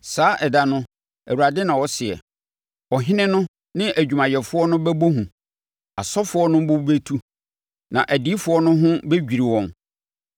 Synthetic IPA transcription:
saː˨˦ʔɛ˨da˨nʊ̃˦ | æ˨wa˨dɪ˦nã˨wɔ˦sɪ˨ɛ̰˨ | wɔ˨ɦɪ̃˦nɪ̃˦nʊ̃˦ | nɪ̃˦ʔæ˨d͡ʑᶣu˨mã˨jɛ˨fʊ˦ɔ˦nʊ̃˦bɛ˦bo˦ɦũ˨ | a˨sɔ˦fʊ˦ɔ˦nʊ̃˦bʊ˦u˦be˦tʰu˦ | nã̰˨ʔæ˨di˨˦fʊ˨˦ɔ˦nʊ̃˦ɦʊ̃˦be˦d͡ʑᶣi˨ɾi˨wɔ̃˨n

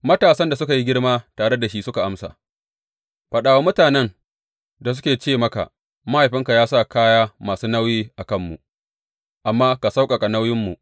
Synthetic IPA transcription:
mɐ˦taː˨sɐ˦nda˨s̬ʊ˦ka˨ji˦ɡʲɪ˦ɽmaː˦taː˨ɽe˦da˨ʃi˦sʊ˦ka˨ʔa˦msa̰ː˨ | ɸɐ˨ɗaː˨wa˦mʊ˦taː˨nɛ˦n | da˨s̬ʊ˦kʲeː˨t͡ʃeː˦˨mɐ˦ka̰˨ʔ | ma˦ha˨jɸɪ˦ŋka˨jaː˦sa˦˨kaː˦jaː˦maː˨suː˦na˦wjiː˦ʔa˨kɐ˦˨mːṵ˨ʔ | ʔa˨mːaː˦ka˨sa˦wkʼɐ˨kʼa˨na˦wjɪ˦mːu˨ʔ

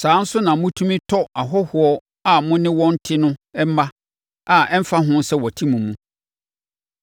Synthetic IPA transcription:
sãː˨˦n̩˦sʊ˦nã˨˦mʊ̃˦tʰũ˦mĩ˦tʰɔ˦a˨ɦɔ˦hʊ˨ɔ˦ | a˨mʊ̃˦nɪ̃˦wɔ̃˦n̩˦tʰɪ˦nʊ̃˦ɛ˦m˦mã˦ | a˨ɛ˦m̩˦fa˦ɦʊ̃˦n˦sɛ˦wɔ˨tʰĩ˦mũ˨mũ˦

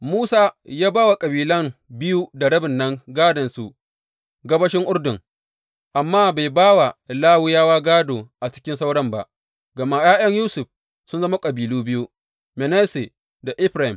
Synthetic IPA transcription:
muː˦saː˦jaː˦baː˦wa˨kʼɐ˨biː˨lɐ˦ŋbɪ˦ju˦da˨ɽɐ˦bɪ˨nːɐ˦ŋɡaː˦dɐ˨nsu˨ʔ | ɡɐ˦bɐ˦ʃɪ˦ŋʔʊ˦rdʊ˨ŋ | ʔa˨mːaː˦ba˨jbaː˦wa˨laː˦wʊ˦jaː˦waː˦ɡaː˦doː˨ʔa˨t͡ʃɪ̥˦kʲɪ˦nsa˦wɽɐ˦mba̰˨ʔ | ɡɐ˨ma˦jaː˦j̰ɐ˦ɲjuː˦sʊ˨ɸ | sʊ˦nzɐ˦ma˦kʼɐ˨biː˨luː˦bɪ˦ju˦ | mɛ˨nɛ˦se˨ | da˨ʔɪ˦ɸɾa˨hɪ˨m

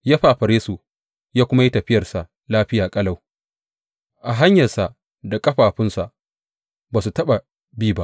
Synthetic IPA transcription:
jaː˦ɸa˦ʔa˨ɸɐ˨ɾeː˦su˨ | jaː˦kʷʊ˦ma˦ji˦tɐ˨ɸɪ˦jɐ˨rsa˨ʔ | laː˦ɸɪ˦jaː˨kʼɐ˦la˨w | ʔa˨ɦa˦ɲjɐ˨rsa˨ʔ | da˨kʼɐ˦ɸaː˨ɸɪ˦nsa˨ʔ | baː˨su˨tɐ˦ɓa˨ | biː˦˨ba˦ʔ

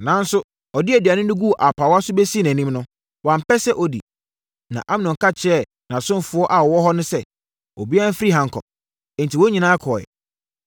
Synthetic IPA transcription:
nã˨˦n˦sʊ˦ | ɔ˨dɪ˦æ˨di˨a˨nɪ̃˦nʊ̃˦ɡu˦˨ʔa˨pʰa˨wɔ˦a˦sʊ˦bɛ˦si˦n˨æ̃˨nĩ˦mnʊ̃˦ | wã˨m̩˨pɛ˦sɛ˦ʔɔ˨dḭ˨ | nã̰˨ʔã˦m˦nʊ̃˨ŋ̩˨ka˦t͡ɕʰɛ˦˨ | nã˨sʊ̃˦m˦fʊ˨ɔ˦ʔa˨wɔ˨wɔ˦ɦɔ˦nʊ̃˦sɛ˦ | o̰˨bi˦ã˦m̩˦fi˦ɾi˦ɦã˨ŋ̩˨kʰɔ̰˨ | n̩tʰi˨wɔ˦ɲĩ˨nãː˦kʰɔ˨ɛ̰˨

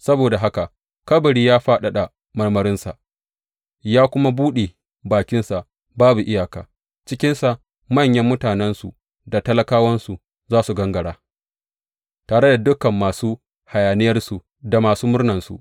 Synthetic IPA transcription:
sɐ˦boː˨da˨ɦa˦ka˨ʔ | kɐ˦bɐ˨ɽiː˦jaː˦ɸaː˦ɗa˨ɗa˨ | mɐ˦rmɐ˦ɾɪ˦nsa˨ʔ | jaː˦kʷʊ˦ma˦buː˦ɗe˨ | baː˨kʲɪ˦nsa˨ʔ | baː˦bu˨ʔɪ˦jaː˨ka̰ː˨ | t͡ʃɪ˦kʲɪ˦nsa˨ʔ | mɐ˦˨ɲjɐ˦mːʊ˦taː˨nɛ˦nsu˨ | da˨tɐ˦lɐ˦kaː˦wɐ˦nsu˨ | zaː˦su˨ɡɐ˦ŋɡɐ˨ɽaː˦ | taː˨ɽe˦da˨dʊ˦kɐ˨mːaː˨suː˦ | ha˨jaː˨nɪ˦jɐ˦rsu˨ | da˨maː˨suː˦mʊ˦rnɐ˨nsṵ˨ʔ

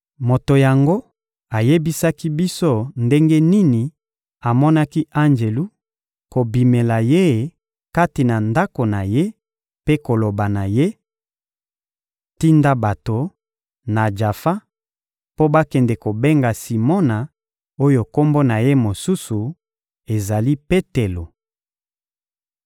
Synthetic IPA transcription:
mo˨to˨ja˨ŋɡo˦ | a˨je˦bi˦sa˦ki˦bi˦so˦nde˦ŋɡe˦ni˦ni˨ | a˨mɔ˦na˦ki˦ʔa˦nd͡ʒe˨lu˦ | ko˨bi˨me˨la˨je˦˨ | ka˦ti˨na˨nda˦ko˨na˨je˦ | pe˦ko˨lo˨ba˨na˨je˦ | ti˦nda˦ba˨to˨ | na˨d͡ʒa˨fa˦ | po˦ba˦kɛ˨ndɛ˨ko˨be˦ŋɡa˨si˨mɔ˦na˨ | o˦jo˨ko˦mbo˦na˨je˦mo˨su˦su˨ | e˨za˨li˦pe˦te˨lo˨

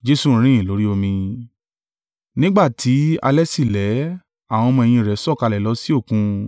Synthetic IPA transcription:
d͡ʒe˧su˦˨˦ɾ̃ĩ˦ĩ˦˨lo˨˦ɾi˦o˧mĩ˧ | nĩ˦ɡ͡ba˦˨tʰi˨˦a̰˧lɛ˦si˦˨lɛ˨˦ | a˦˨w̃ɔ̃˧mɔ̃˧e˧j̃ĩ˧˨ɾɛ˨˦sɔ˦˨ka˧lɛ˨lɔ˨˦si˦o˦˨kũ˧

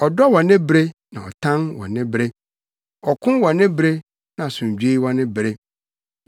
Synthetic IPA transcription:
ɔ˨dɔ˦wɔ̃˨nɪ̃˦bɾe˦nã˨ɔ̰˨tʰã˦nwɔ̰̃˨nɪ̃˦bɾe˦ | ɔ˨kʰʊ̃˦nwɔ̃˨nɪ̃˦bɾe˦ | nã˨sʊ̃˨m˨d͡ʑᶣe˦i˦wɔ̃˦nɪ̃˦bɾe˦

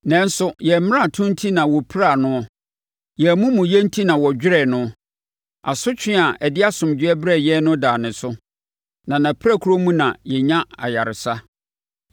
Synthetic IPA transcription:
nɛ̃˨n̩˦sʊ˦jɛ˨m̃˦ã˦˨tʰʊ̃˦n̩˦tʰi˦nã˨wɔ˨pʰɾa˦˨nʊ̃˦ | jɛ˨mũ˦mʊ̃˨jɛ˦n̩˦tʰi˦nã˨wɔ˨d͡ʑᶣɪ˦ɾɛ˨nʊ̃˦ | a˨sʊ˦t͡ɕʰᶣɪ˦a˨ʔɛ˨dɪ˦a˦sʊ̃˨md͡ʑᶣɪ˦ɛ˦bɾɛ˦˨jɛ˦nʊ̃˦daː˨nɪ̃˨sʊ˦ | nã˨nã˨pʰɾa˦˨kʰu˦ɾo˦mũ˦nã˨jɛ˨ɲã˦a̰˨ja˨ɾɪ˨sa˦

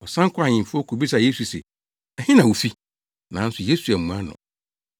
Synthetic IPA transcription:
ɔ˨sã˦ŋ˦kʰʷʊ˦a˨ɲɪ̃˨fʊ˦ɔ˦kʰu˨bi˦sa˨je˦su˨sḛ˨ | ɛ˨hɪ̃˦nã˨wu˨fi˦ | nã˨˦n̩˦sʊ˨je˦su˨æ˨mũ˨a˦nʊ̰̃˨

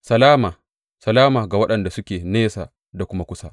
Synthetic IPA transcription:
sɐ˨laː˦maː˨ | sɐ˨laː˦maː˨ɡa˨wɐ˦ɗɐ˨nda˨sʊ˦kʲeː˨neː˦sa̰ː˨ | da˨kʷʊ˦ma˦kʷʊ˦sa˦ʔ

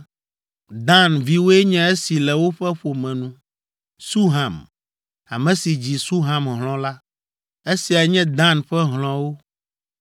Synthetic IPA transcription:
d̪ã˦nvi˦wo˦ɛ˦ɲɛ̃˦e˦si˨lɛ˨wo˦ɸɛ˦ɸo˨mɛ̃˨nũ˦ | su˦ɦã˨m | a̰˨mɛ̃˨si˨d͡ʑi˨su˦ɦã˨mɦlɔ̃˦la˦ | e˦si˨a˨ɲɛ̃˦d̪ã˦˨nɸɛ˦ɦlɔ̃˦wo˦

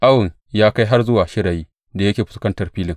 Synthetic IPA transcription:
ʔa˦wʊ˨ŋ | jaː˦ka˦jɦa˦rzʊ˦waː˨ʃɪ˦ɾaː˨jiː˦ | da˨jɐ˦kʲeː˨ɸʊ̥˨skɐ˦ntɐ˨rɸiː˦lɪ˨ŋ

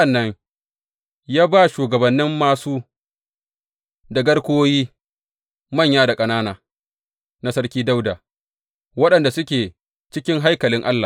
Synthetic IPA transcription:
ɐ˨nːɐ˦ɲ | jaː˦ba˦ʃuː˨ɡɐ˨bɐ˨nːɪ˦mːaː˨suː˦ | da˨ɡɐ˦ɽkʷoː˦jiː˦ | mɐ˦˨ɲjaː˦da˨kʼɐ˦naː˦naː˨ | na˦sɐ˦ɽkʲiː˦da˦wdaː˨ | wɐ˦ɗɐ˨nda˨sʊ˦kʲeː˨ | t͡ʃɪ˦kʲɪ˦ŋɦa˦jkɐ˨lɪ˦ŋʔa˦lːaː˨

